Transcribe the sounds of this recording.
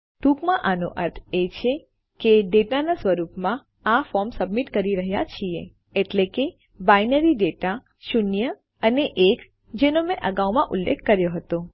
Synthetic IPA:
ʈukmãʔanoʔəɾt̪ʰet͡ʃʰe | keɖeʈanasʋəɾupmã | afɔɾmsəbmiʈkəɾiɾəɦja̰t͡ʃʰie | eʈleke | bajnəɾiɖeʈa | ʃʊnjə | əneʔek | d͡ʒenomẽʔəɡawmãʔʊlːḛkʰːəɾjoɦət̪o

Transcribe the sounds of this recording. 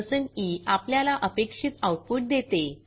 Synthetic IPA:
səɳiapljalaʔəpekʂit̪awʈ̚puʈ̚d̪et̪e

